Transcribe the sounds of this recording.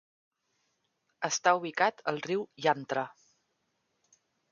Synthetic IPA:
əst̪auβikat̪əlˠriwjant̪ɾə

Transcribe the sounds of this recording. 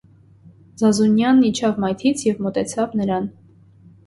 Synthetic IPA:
zɑzunjɑnːit͡ʃʰɑvmɑjt̪ʰit͡sʰjɛvmɔt̪ɛt͡sʰɑvnəɾɑn

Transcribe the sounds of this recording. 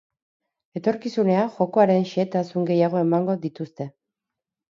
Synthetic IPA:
e̞t̪o̞ɾkisune̞aʝo̞ko̞aɾe̞nʃiet̪asuŋɡe̞jaɣ̞o̞e̞maŋɡo̞ðit̪ust̪e̞

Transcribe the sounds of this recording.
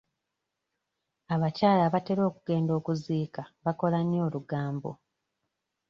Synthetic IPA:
aβacaːlaβate̞ɾo̞ːkuɡ̥e̞ːndo̞ːkuziːkaβako̞lanjo̞ːluɡaːmbo̞̰

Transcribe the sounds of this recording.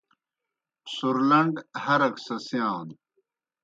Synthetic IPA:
suɾlɐɳɖhɐɾɐksɐsijãːn

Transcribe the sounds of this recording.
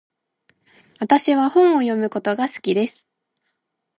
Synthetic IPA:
βat̪aɕiβahõ̞ɰ̃o̞jo̞mɯ̟ko̞t̪o̞ɡasɨ̥kʲid̪e̞sɨ̥

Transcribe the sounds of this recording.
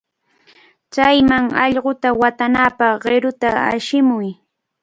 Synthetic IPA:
t͡sajmaŋɑʎɢot̪awat̪anapɑχɢɪɾʊt̪aa̰ʃɪmʊj

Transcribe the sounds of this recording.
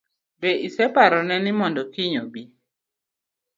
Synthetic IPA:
beʔisɛpaɾɔnɛnɪmɔndɔkiɲobi

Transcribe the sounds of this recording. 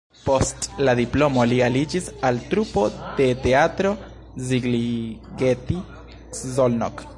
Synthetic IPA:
po̞stlad̪iplo̞mo̞lialid͡ʒisaltɾupo̞d̥e̞te̞atɾo̞ | ziɡliɡeti | zolno̰k

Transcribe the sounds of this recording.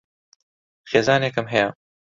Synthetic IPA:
xeːzaːnekɨmɦɛjɐ

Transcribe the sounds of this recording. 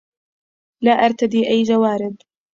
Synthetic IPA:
laːʔaɾˤt̪ad̪iːʔajːd͡ʒawaːɾɪb

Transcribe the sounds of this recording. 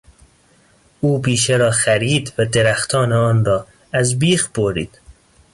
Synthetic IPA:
uːbiːʃeɾɒːxæɾiːd̪væd̪eɾæxt̪ʰɒːneɒːnɾɒː | æzbiːxboɾḭːd̪̥

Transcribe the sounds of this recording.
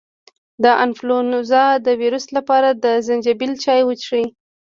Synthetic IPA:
d̪əʔanflonuzɑd̪əwiɾuslapɑɾad̪əzand͡ʒabilt͡ʃɑjwət͡ʃʂi

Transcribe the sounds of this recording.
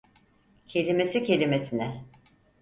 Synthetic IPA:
cʰe̞lʲime̞sicʰe̞lʲimesinɛ

